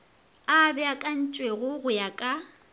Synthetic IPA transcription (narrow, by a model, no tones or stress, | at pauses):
abɛakʼan̩t͡ʃʼweɣʊɣʊjakʼa